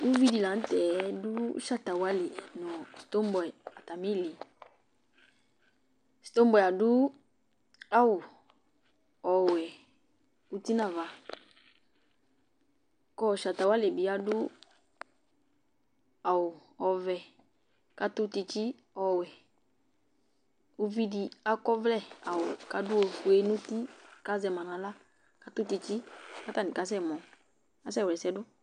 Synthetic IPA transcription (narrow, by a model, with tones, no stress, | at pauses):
u˦vi˦di˨la˨n̩˦tɛ˨˦du˦ʃa˦ta˨wa˦le˨nɔ˨si̥˨to˦mbwɛ˨a˨ta˨mi˦˨li˨ | si̥˨to˦mbɛ˨a˨du˦ | a˦wu˨ | ɔ˨wɛ˨ | u˦ti˦na˦˨va˨ | kɔ˦˨ʃa˨ta˨wa˦le˨bi˨a˦du˦ | a˨wʊ˨ɔ˨vɛ˨ | ka˧t̪ʊ˦ti˧t͡ʃi˦ | ɔ˨wɛ˨ | u˦vi˦di˧a˦kɔ˦vlɛ˦˨a˨wʊ˨ka˧dʊ˦o˨fu˨e˧˦nʊ˦ti˦ka˦zɛ˧˨mã˨nã˨la˦ | ka˧t̪ʊ˦ti˧t͡ʃi˦ka˦t̪a˦˨nĩ˨ka˨˦s̬ɛ˦˨mɔ˨ | a˨˦s̬ɛ˦˨wlɛ˨sɛ˧˦dʊ˦